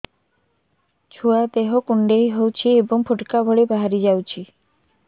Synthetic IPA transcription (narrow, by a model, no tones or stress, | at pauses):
t͡ʃʰuad̪eɦɔkuɳɖeɦiɦowt͡ʃʰiebɔŋpʰuʈkabʱɔɭebaɦaɾid͡ʒawt͡ʃʰi